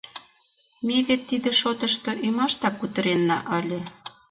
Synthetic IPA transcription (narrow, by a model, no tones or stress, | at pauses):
miβet̪ːid̪ĕʃot̪ə̆ʃt̪ŏʔymɑʃt̪ɑkːut̪ə̆ɾenːɑʔəlʲɤ̆